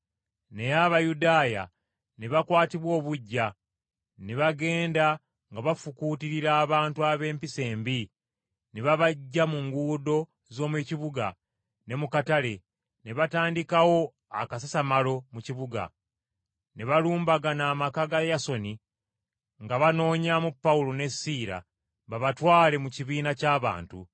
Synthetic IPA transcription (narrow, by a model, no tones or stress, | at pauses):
ne̞jaβajudaːja̰ | neβakwaːtiβwo̞ːβuɟːa | neβaɡe̞ːnda | ŋɡaβafukuːtiɾiɾaːβaːntuaβe̞ːmpise̞ːmbi | neβaβaɟːamuŋɡuːdo̞ | zo̞ːmweciβuɡa | ne̞mukatale̞ | neβataːndikawo̞ | a̰kasasamalo̞muciβuɡa̰ | neβaluːmbaɡanaːmakaɡajaso̞ni | ŋɡaβano̞ːɲamupːaulone̞siːɾa̰ | βaβatwaːle̞muciβiːnacaːβa̰ːntṵ